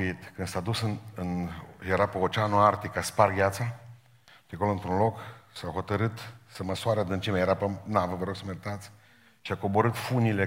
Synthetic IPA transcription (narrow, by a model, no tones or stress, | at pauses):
it̪kɨnsad̪usɨnɨnjeɾapəot͡ʃanuart̪ikːasparɡʲjat̪sa | ʃiako̞loɨnt̪ɾunlo̞ksawɦo̞t̪əɾɨt̪səməsuaɾad̪ɨnt͡ʃimejeɾapənavəvəɾo̞ɡ̥səmeɾit̪at̪sʲ | ʃiakobo̞ɾɨt̪funile